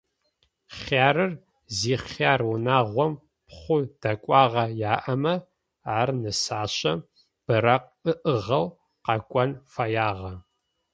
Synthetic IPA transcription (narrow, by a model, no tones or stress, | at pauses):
χaːɾɨr | ziːχaːrwʊnaːʁʷɔm | pχʷʊd̥ɐkʷʼɑːʁɐjaːʔɐmɐ | aːrnɨsaːɕɐ | b̥ɨɾɐq̚ | ɨʔəʁɐw | qɐkʷʼɔnfɐjaːʁɐ